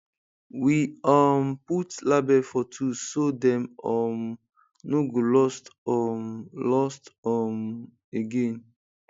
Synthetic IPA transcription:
wiɔmputlabɛfɔtʰusodɛ̃mɔm | noɡolɔstɔmlɔstɔm | eɡẽn

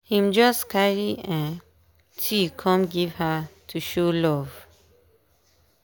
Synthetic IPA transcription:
hĩmd͡ʒʌskaɹiɛ̃n | tʰikʰɔ̃mɡivhətʰuʃolɔv

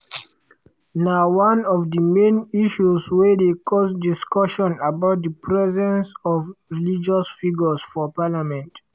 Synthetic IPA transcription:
nawãnɔvdəmẽniʃuswɛdekʰɔsdiskɔʃɔ̃nabaʊt̚dəpʰɹɛzɛ̃nsɔvɹilid͡ʒɔsfiɡəsfɔpalamɛ̃nt

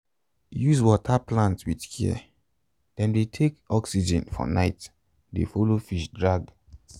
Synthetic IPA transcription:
juzwɔtʰaplãntwidkʰḭ | d̥ɛ̃ndetʰekɔksid͡ʒɛ̃nfɔ̰naɪt | dḛfolofiʃdɹaɡ

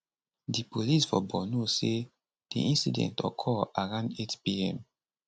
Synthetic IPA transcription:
dipolisfɔbɔnose | d̥ḭʔĩnsḭdɛ̰̃ntɔ̰kʰɔaɹãndetpiɛ̃m

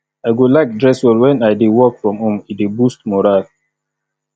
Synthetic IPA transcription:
aɪɡolaɪk̚dɹɛswɔlwɛ̃najdewɔkfɹɔ̃mɔ̃midebustmɔɹal

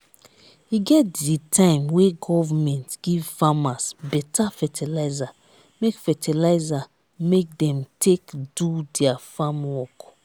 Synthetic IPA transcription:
iɡɛtditʰãɪ̃mweɡɔvamɛ̃ntɡ̥ivfamasbɛtʰafɛtʰilaɪza | mekfɛtʰilaɪza | mek̚dɛ̃mtʰekdudɛafamwɔk

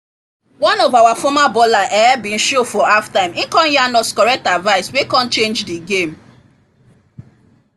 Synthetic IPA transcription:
wɔ̃nɔvawafɔmabɔlaʔɛbĩn̩ʃofɔaftãɪ̃mĩkɔ̃njanɔskɔɹɛk̚tadvaɪswekɔ̃nt͡ʃẽnd͡ʒdiɡem

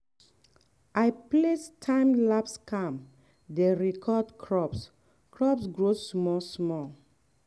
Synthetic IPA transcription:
ajplestʰãɪ̃mlapskʰãm | deɹikʰɔdkʰɹɔps | kɹɔpsɡɹosmɔsmɔ

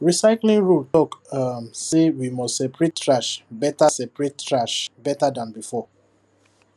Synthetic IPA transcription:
ɹisaɪklĩŋɹultɔkamsewimɔstsɛpɹetɹaʃbɛtasɛpɹettɹaʃbɛtadãnbifɔ

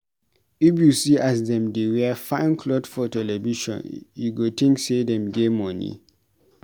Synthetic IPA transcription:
ifjusiasdɛ̃mdewɛfãɪ̃nkʰlɔdfɔtɛlɛviʃɔ̰̃njuɡotʰĩŋksedɛ̃mɡemɔnḭ

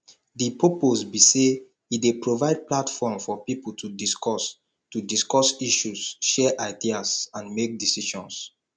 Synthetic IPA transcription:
dipoposbise | idepɹovaɪd̚platfɔmfɔpipultʰudiskɔs | tudiskɔsiʃusʃɛʔaɪdiasãnmek̚disiʃɔ̃ns

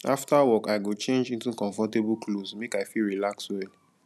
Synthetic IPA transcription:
aftawɔkaɪɡot͡ʃẽnd͡ʒĩntukɔ̃ɱfɔtebuklosmekaɪfilɹilakswɛl

